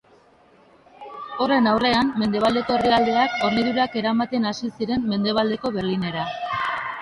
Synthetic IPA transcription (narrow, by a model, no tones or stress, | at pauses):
o̞re̞nawre̞amme̞nd̪e̞β̞ald̪e̞ko̞eriald̪e̞ako̞ɾmeðuɾake̞ɾamat̪e̞nasisiɾe̞mme̞nd̪e̞β̞ald̪e̞ko̞βe̞ɾline̞ɾa